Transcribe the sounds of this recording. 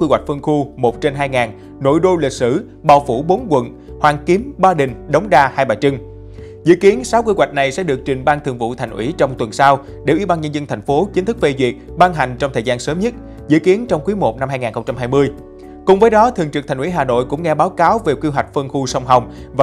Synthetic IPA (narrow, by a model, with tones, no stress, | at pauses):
kwi˧wa˨˩jk̟̚fɨ˧əŋxu˧mo˨˩t̚t͡ɕe˧nɦaː˧jŋaː˨˩n | no̰˧˨jɗo˧li˨˩t̚sɨ̰˧˩ | ɓaː˨˩wfṵ˧˩ɓo˨˦nkwə̰˧˨n | hwaː˨˩nki˨˦əmɓaː˧ɗï˨˩ŋ̟ɗə˨˦wŋ͡mɗaː˧haː˧jɓaː˨˩t͡ɕɨ˧ŋ | zɨ̰˧˨ki˨˦ənsaː˨˦wki˧kwa˨˩jk̚na˨˩jsɛ̰˧˥ɗɨ˨˩ək̚t͡ɕï˨˩ŋ̟ɓaː˧nt̪ʰɨ˨˩ŋvṵ˧˨t̪ʰa˨˩ŋ̟ʔḭ˧˥t͡ɕɔ˧wŋ͡mt̪wə˨˩nsaː˧w | ɗe˧˩ʔi˧˦ɓaː˧nɲə˧nzə˧nt̪ʰa˨˩jŋ̟fo˨˦t͡ɕi˨˦n̟t̪ɨ˦˥k̚fe˧zwi˨˩ət̚ɓaː˧nɦa˨˩jŋ̟t͡ɕɔ˧ŋ͡mt̪ʰəː˨˩zaː˧nsəː˨˦mɲə˦˥t̚ | zɨ̰˧˥ki˨˦ənt͡ɕɔ˧wŋ͡mkwi˨˦mo˨˩t̚na˧mhaː˧jŋaː˨˩nxə˧wŋ͡mt͡ɕa˧mɦaː˧jmɨ˧əj | kʊ̰˨˧˩ŋ͡mvəː˨˦jɗɔ˨˦t̪ʰɨ˨əŋt͡ɕɨ˨˩k̚t̪ʰŋ̟ʔi˧˥˦ɦaː˨˩no̰˧˨jkʊ̰˧˥ŋ͡mŋɛ˧ɓaː˨˦wkaː˨˦wve˨˩ki˧wɦwa˨˩jk̟̚fə˧ŋxu˧sa˧wŋ͡mɦa˧wŋ͡mv